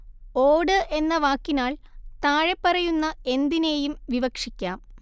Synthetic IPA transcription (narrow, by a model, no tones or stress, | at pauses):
oːɽɨʔe̞nːɐʋaːkːinaːɭt̪aːɻepːɐrɐjunːɐe̞nd̪ine̞ːjumʋiʋɐkʂikʲːaːm